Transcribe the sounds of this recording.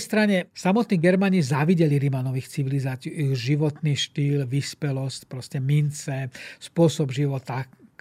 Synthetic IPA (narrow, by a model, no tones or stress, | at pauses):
st̪ɾaɲɛsamɔt̪niːɡɛɾmaɲizaʋiɟɛliɾimanɔʋiːxt͡siʋilizaːt͡siuiʒiʋɔt̪niːʃt̪iːlʋispɛlɔscpɾɔscɛmint͡sɛspʊɔsɔbʒiʋɔt̪a